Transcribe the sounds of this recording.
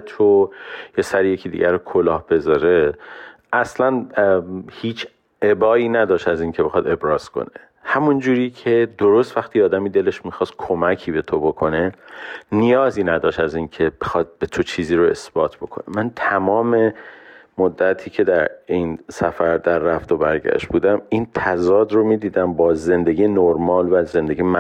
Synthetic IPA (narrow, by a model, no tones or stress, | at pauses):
t̪ʰojɒːsæɾijecʰiːd̪ḭɟʲæɾokʰolɒːhb̥e̞zɒːɾe̞ | ʔæslæn | hiːt͡ʃʰ | ebɒːiːnæd̪ɒːʃt̪æziːncʰebe̞xɒd̪e̞bɾɒːz̥kʰo̞̰ne̥ | hæmund͡ʒuːɾiːcʰe̞d̪oɾost̪væχt̪ʰiːɒːd̪æmiːd̪e̞le̞ʃmixɒːst̪̚kʰomæcʰiːbe̞t̪ʰobo̞kʰo̞ne̞nijɒːziːnæd̪ɒːʃt̪æziːncʰe̞b̥e̞xɒːd̪̚be̞t̪ʰo̞t͡ʃʰiːziːɾoe̞̰sb̥ɒːt̪ʰb̥o̞kʰo̞̰nḛmænt̪ʰæmɒːme̞mod̪ːæt̪ʰiːcʰe̞d̪æɾinsæfæɾd̪æɾːæft̪o̞bæɾɟæ̰ʃt̪̚buːd̪æmiːnt̪ʰæzɒːd̪ɾomiːd̪iːd̪æmbɒːze̞nd̪e̞ɟijenoɾmɒːlvæzze̞nd̪eɡim